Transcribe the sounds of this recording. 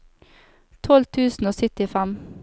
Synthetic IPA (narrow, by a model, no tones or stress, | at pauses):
t̪ʰɔlt̪ʰʉːsn̩oːsʏt̪ɪfæm